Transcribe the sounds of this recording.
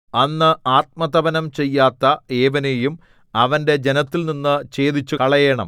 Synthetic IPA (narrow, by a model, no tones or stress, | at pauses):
ɐnːɨaːt̪̚mɐt̪ɐbɐnɐmt͡ɕe̞jːaːt̪ːɐe̞ːʋɐnejum | ɐʋɐnde̞d͡ʑe̞nɐt̪ːilninːɨt͡ɕe̞ːd̪it͡ɕːukɐɭɐjeɳɐ̰m